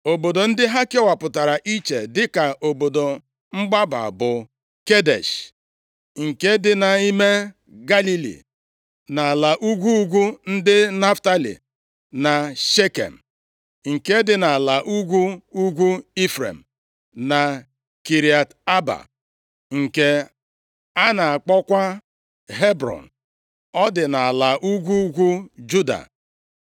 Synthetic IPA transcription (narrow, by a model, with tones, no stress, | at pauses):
o˨bo˨do˨n̩˦dɪ˦ɦa˦ke˦wa˨pʊ˨ta˨ɾa˨ʔi˦t͡ʃe˨dɪ˦ka˨ʔo˨bo˨do˨ | ŋ͡m̩˦ɡ͡ba˦ba̰˨bʊ˨ | ke˦dḛ˨ʃ | ŋ̩˨ke˦dɪ˦na˨i˦me˦ | ɡa˦li˦lḭ˨ | na˨la˨ʔu˦ɡʷu˦ɡʷu˦n̩˦dɪ˦na˦fta˦lḭ˨ | na˨ʃe˦kḛ˨m̩˨ | ŋ̩˨ke˦dɪ˨na˨a˨la˨ʔu˦ɡʷu˦u˦ɡʷu˦i˦fɾḛ˨m̩˨ | na˨ | ki˨ɾi˨a˨ta˦ba̰˨ | ŋ̩˨ke˦ | a˦na˨a˨k͡pɔ˦kʷa˦ | ɦe˦bɾɔ̰˨n̩˨ | ɔ˦dɪ˨na˨a˨la˨ʔu˦ɡʷu˦ɡʷu˦d͡ʒu˦da̰˨